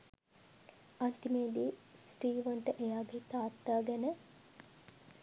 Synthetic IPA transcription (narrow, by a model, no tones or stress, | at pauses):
ant̪imeːd̪isʈiːʋənʈəʔejaːɡet̪aːt̪ːaːɡɛnə